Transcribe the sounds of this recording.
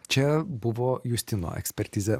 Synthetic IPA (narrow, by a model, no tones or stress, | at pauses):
t͡ʃɛbuvɔjust̪inɔ̰ʔɛ̰kspɛrt̪ʲiːzɛ